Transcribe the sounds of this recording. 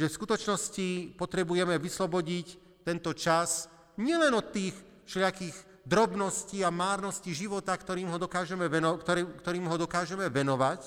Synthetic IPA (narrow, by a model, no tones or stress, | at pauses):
ʒɛfskut̪ɔt͡ʃnɔscipɔt̪ɾɛbujɛmɛʋislɔbɔɟic | t̪ɛnt̪ɔt͡ʃas | ɲɪɛlɛnɔt̪ːiːx | ʃlɪakiːɣ | d̪ɾɔbnɔsciːamaːɾnɔsciːʒiʋɔt̪akt̪ɔɾiːmɦɔd̪ɔkaːʒɛmɛʋɛnkt̪ɔkt̪ɔɾiːmɦɔd̪ɔkaːʒɛmɛʋɛnɔʋac